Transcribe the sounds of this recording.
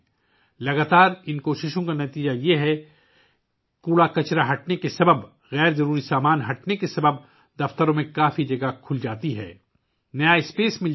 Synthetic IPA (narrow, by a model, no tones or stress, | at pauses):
lɐɡaːt̪aːɾɪnkoːʃɪʃõkanɐt̪iːd͡ʒajeɦɛ | kuːɽakɐt͡ʃɾaɦɐʈnekesɐbəb | ɣɛːɾzɐɾuːɾisaːmaːnɦɐʈnekesɐbəb̚ | d̪ɐft̪əɾõmẽkaːfid͡ʒɐɡakʰʊld͡ʒaːt̪iɦɛ̰ː | nɐjaɪspeːsmɪl